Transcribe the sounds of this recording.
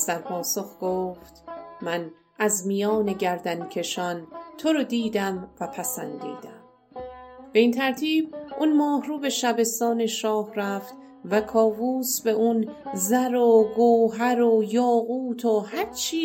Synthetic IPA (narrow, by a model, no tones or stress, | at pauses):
d̪æɾpʰɒːsoxɡ̥oːft̪mæn | ʔæzmijɒːne̞ɟæɾd̪æncʰe̞ʃɒnt̪ʰoɾod̪iːd̪æmvæpʰæsænd̪ḭːd̪æm | b̥e̞iːnt̪ʰæɾt̪ʰiːbʔunmɒːhruːbe̞ʃæbe̞st̪ɒːne̞ʃɒːhræft̪ | vækʰɒːvuːsbe̞ʔunzæɾoɡoːɦæɾojɒːɣuːt̪ʰohæɾt͡ʃʰiː